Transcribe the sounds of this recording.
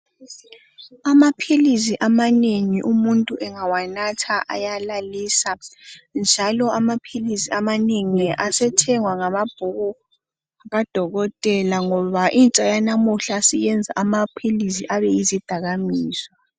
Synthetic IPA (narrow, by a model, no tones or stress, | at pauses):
amapʰilisiʔamaneŋiʔumuntʼuʔɛŋawanatʰaʔa̰jalaliːsand͡ʒʱalɔamapʰilisiamaneŋiasɛtʰɛŋwaŋamab̥ʱuɣɔ | aɣad̥ʱɔɣɔtʼɛlaŋɔβaʔint͡ʃʼajanamuɬaːsijɛnd͡zʱa̰ʔamapʰilisiʔaβɛizid̥ʱaɣamiːsɔ